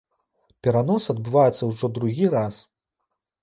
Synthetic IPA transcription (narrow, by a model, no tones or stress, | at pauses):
pʲɛɾanɔsɐd̪̚bɨvajɛt̪sːɐwʐɔd̪ɾuɣʲiɾas